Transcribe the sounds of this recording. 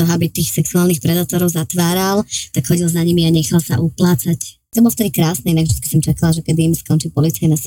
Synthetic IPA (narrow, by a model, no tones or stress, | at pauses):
ɔɦabit̪iːxsɛksuaːlˠnixpɾɛd̪aːt̪ɔɾɔʊzat̪ʋaːɾalt̪akxɔɟilˠzaɲimiaɲɛxalsa̰ʔuplaːt͡sact̪ɔbɔlɔft̪ɛd̪ikɾaːsnɛinaɡvʒd̪it͡ski̥sɔmt͡ʃakalaʒɛkɛd̪iːmskɔnt͡ʃipɔlit͡sajnas